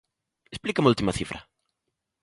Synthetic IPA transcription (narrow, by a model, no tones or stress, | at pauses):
esplikamult̪imaθifɾɐ̰